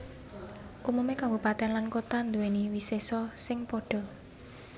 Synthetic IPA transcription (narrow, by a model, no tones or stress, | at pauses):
ʔumumekambupat̪ɛnlankot̪and̪uweniwisesɔsɪŋpɔɖ̥ɔ̤